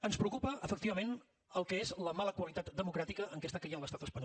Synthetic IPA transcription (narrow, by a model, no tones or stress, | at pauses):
ənspɾəukupəəfək̚t̪iβəmen | əlˠkəezləmaləkwəlit̪at̪d̪əmukɾat̪ikəʔəŋkɛst̪əkəjənləst̪at̪əspəɲ